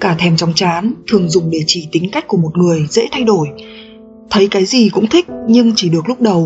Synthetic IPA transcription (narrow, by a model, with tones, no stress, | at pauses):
kaː˧˩t̪ʰɛ˧˩mt͡ɕɔ˨˦wŋ͡mt͡ɕaː˨˦nt̪ʰɨ˨˩əŋzʊ˨˩ŋ͡mɗe˧˩t͡ɕi˧˩t̪ï˨˦ŋ̟ka˦˥k̟ku˧˩əmo˨˩t̚ŋɨ˨˩əjzḛ˧˥t̪ʰa˧jɗo˧˩j | t̪ʰə˨˦jkaː˨˦jzi˨˩kʊ̰˧˥ŋ͡mt̪ʰï˦˥k̟̚ɲɨ˧ŋt͡ɕi˧˩ɗɨ˨˩ək̚lʊ˦˥k͡p̚ɗə˨˩w